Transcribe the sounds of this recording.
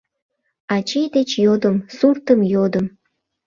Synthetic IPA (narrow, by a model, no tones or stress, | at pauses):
ɑt͡ɕejd̪et͡ɕjod̪əmsurt̪əmjod̪əm